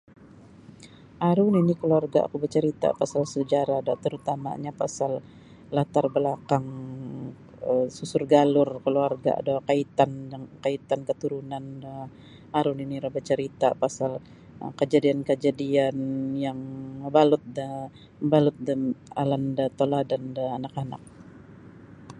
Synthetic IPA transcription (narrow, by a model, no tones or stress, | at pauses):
ʔaɾuninikəluarɡaa̰kubət͡ʃəɾit̪a̰pasalsəd͡ʒaɾadat̪əɾut̪ama̰ɲapasal | lat̪arbəlakaŋ | əsusʊrɡalʊrkəluarɡa̰a̰dawkait̪andakait̪ankət̪uɾunanda | aɾʊniniɾabat͡ʃəɾit̪a̰pasal | kəd͡ʒadiankəd͡ʒadianjaŋəbalʊt̪̚də | balʊt̪̚dəalandat̪oladandəanakana̰k̚